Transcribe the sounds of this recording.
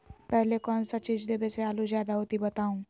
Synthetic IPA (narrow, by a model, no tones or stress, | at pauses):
pɛɦlekɔːnsat͡ʃiːd͡ʒd̪eːbeseaːluzjaːd̪aɦoːt̪ibɐt̪aːũː